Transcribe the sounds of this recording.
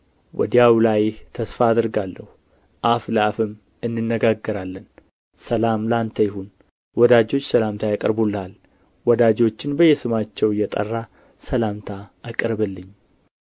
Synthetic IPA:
wɔ̰d̪ijawlajht̪ʰəsfaːd̪ɨɾɡalːəhu | ʔafləafɨm | ɨnːɨnːəɡaɡːəɾalːən | səlamlant̪ʰəjɪhun | wɔd̪ad͡ʒo̞t͡ʃːsəlamt̪ʰajakʼəɾbulːəhal | wɔd̪ad͡ʒo̞t͡ʃːɪnbəjːɛsɨmat͡ʃːɛwɨjːɛt̪ʼə̰rːa | səlamt̪ʰaːkʼəɾbəlːɨɲː

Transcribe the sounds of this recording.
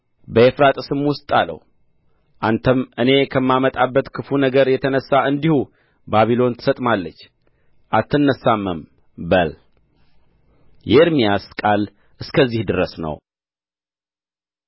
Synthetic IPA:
bəefɾat̪ʼsɨmwʊst̪ʼalə̰w | ʔant̪ʰəmʔɨne̞kʰəmːamət̪ʼabːət̪kʰɨfunəɡəɾjɛt̪ʰənəsːaʔɨnd̪ihu | baβilo̞nt̪ʰɨ̥sət̪ʼmalːət͡ʃː | ʔat̪ːɨnːəsamːəm | bəl | jɛɾmijaskʼal | ʔɨskʰəzːihd̪ɨɾəsnə̰w

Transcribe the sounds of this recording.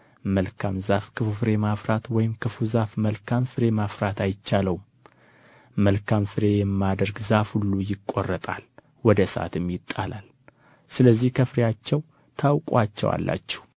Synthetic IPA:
məlkʰamzafkʰɨfufɨɾe̞mafɾat̪wɔjɪmkʰɨfuzafməlkʰamfɨɾe̞mafɾat̪ajɪt͡ʃːaləwum | məlkʰamfɨɾe̞jɛmːad̪əɾɡzafhulːujɪkʼo̰rːət̪ʼal | wɔd̪əsa̰t̪ɨmjɪt̪ʼːalal | sɨləzːihkʰəfɨɾijat͡ʃːɛw | t̪ʰawkʼat͡ʃːɛ̰wa̰lːa̰t͡ʃːɛ̥h

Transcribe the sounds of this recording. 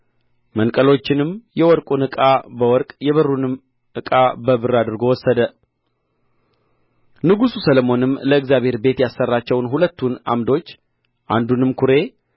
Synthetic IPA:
mənkʼəlo̞t͡ʃːɪnɨmjɛwɔɾkʼunɨkʼabəwɔɾkʼjɛβərːunɨm | ʔɨkʼabəbɨrːad̪ɨɾɡo̞wɔsːəd̪ə | nɨɡususələmo̞nɨmːləɨɡzjaβhe̞ɾbe̞t̪jasːərːat͡ʃːɛwnɦulət̪ːuna̰md̪o̞t͡ʃː | ʔa̰nd̪unɨmkʰuɾe̞

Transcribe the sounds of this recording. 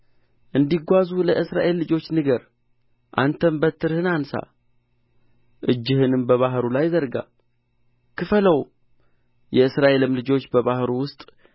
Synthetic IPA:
ʔɨnd̪iɡʷazuləʔɨsɾa̰ʔe̞lːɨd͡ʒo̞t͡ʃːnɨɡəɾ | ʔa̰nt̪ʰəmbət̪ʰːɨɾhɨnansa̰ | ʔɨd͡ʒːɨhɨnɨmbəβaɦɾulajzəɾɡa̰ | kʰɨfələw | jɛɨsɾaʔe̞lɨmlɨd͡ʒo̞t͡ʃːbəβahɾuwʊst̪ʼ

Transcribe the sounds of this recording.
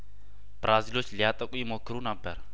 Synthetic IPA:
b̥ɾazilot͡ʃlijat̪ʼakʼuimokɾunabɛɾ

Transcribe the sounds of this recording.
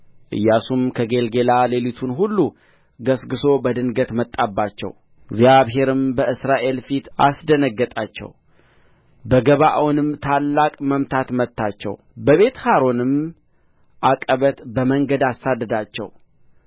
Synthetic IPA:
ʔɨ̰jːasumkʰəɡe̞lɡe̞lale̞lit̪ʰunɦulːu | ɡəsɡɨso̞bəd̪ɨnɡət̪mət̪ʼːabːat͡ʃːɛ̰w | ziaβɦe̞ɾɨmbəʔɨsɾaʔe̞lfit̪a̰sd̪ənəɡːət̪ʼat͡ʃːɛ̰w | bəɡəβaʔawnɨmt̪ʰalːakʼməmt̪ʰat̪mət̪ːat͡ʃːɛ̰w | bəβe̞t̪haɾo̞nɨm | ʔakʼəβət̪bəməŋɡəd̪asːad̪ːəd̪at͡ʃːɛ̰w

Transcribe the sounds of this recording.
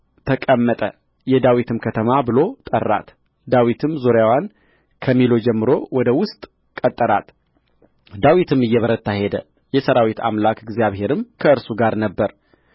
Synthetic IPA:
t̪ʰəkʼəmːət̪ʼə̰ | jɛd̪awit̪ʰɨmkʰət̪ʰəmabɨlo̞t̪ʼə̰rːa̰t̪ | d̪awit̪ʰɨmzuɾjawan | kʰəmːilo̞d͡ʒɛmːɨɾo̞wɔd̪əwʊst̪ʼ | kʼət̪ʼːəɾat̪ | d̪awit̪ʰɨmɨjːɛβəɾət̪ʰːahed̪ə | jɛsəɾawit̪ʰa̰mlakɪɡzjaβɦe̞ɾɨmkʰəɨɾsuɡaɾnəbːəɾ

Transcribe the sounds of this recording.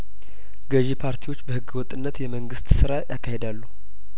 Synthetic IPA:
ɡəʒepʰaɾt̪ʰiwo̞t͡ʃːbəhɨɡːɨwɔt̪ʼɨnːət̪jɛməŋɡɨst̪sɨɾajakʰːahe̞d̪alːu

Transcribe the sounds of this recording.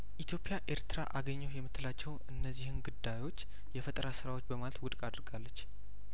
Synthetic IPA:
ʔit̪ʰjo̞pʼjaʔe̞ɾt̪ʰɨɾa̰ʔaɡəɲːɛwjɛmːɨt̪ʰːɨlat͡ʃːɛwɨnːəzːihɨnɡud̪ajo̞t͡ʃː | jɛfət̪ʼəɾasɨɾawo̞t͡ʃːbəmalət̪wʊd̪kʼad̪ɾɡalːət͡ʃː

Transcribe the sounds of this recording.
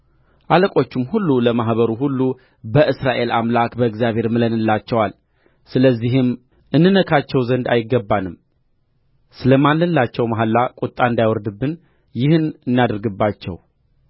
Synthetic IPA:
ʔaləkʼo̞t͡ʃːɪmhulːuləmaɦβəɾuhulːu | bəʔɨsɾaʔe̞lamlakbəɨɡzjaβʱe̞ɾmɨlənɨlːat͡ʃːɛwal | sɨləzːihɨm | ʔɨnːɨnəkʰat͡ʃːɛwzənd̪a̰jɪɡːəbːanɨm | sɨləmalːəlːat͡ʃːɛwmaɦalːakʼut̪ʼːaɨnd̪ajwɔɾd̪ɨbːɨn | jɪhɨnɨnːad̪ɨɾɡɨbːat͡ʃːɛ̰w

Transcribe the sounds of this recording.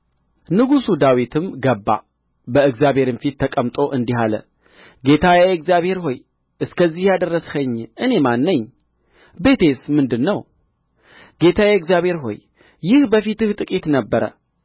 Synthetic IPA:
nɨɡusud̪awit̪ʰɨmɡəbːa̰ | bəɨɡzjabhe̞ɾɨnfit̪ʰːəkʼəmt̪ʼo̞ʔɨnd̪iɦalə̰ | ɡe̞t̪ʰajaɛɡzjaβhe̞ɾɦo̞j | ʔɨskʰəzːihjad̪ərːəshəɲːʔɨne̞manːɨɲː | be̞t̪ʰe̞smɨnd̪ɨnːəw | ɡ̥e̞t̪ʰajaɛɡzjaβhe̞ɾɦo̞̰j | jɪhbəfit̪ɨht̪ʼɨkʼit̪nəbːəɾə̰

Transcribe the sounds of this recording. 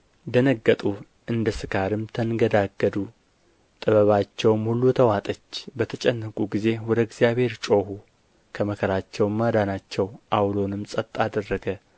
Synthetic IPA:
d̪ənəɡːət̪ʼu | ʔɨnd̪əsɨkʰaɾɨmt̪ʰənɡəd̪aɡːəd̪u | t̪ʼɨβəβat͡ʃːɛwmhulːut̪ʰəwat̪ʼət͡ʃːbət̪ʰət͡ʃʼɛnːəkʼuɡize̞wɔd̪əɪɡzjaβhe̞ɾt͡ʃʼo̞hu | kʰəməkʰəɾat͡ʃːɛwmːad̪anat͡ʃːɛwʔawlo̞nɨmsʼət̪ʼːad̪ərːəɡə

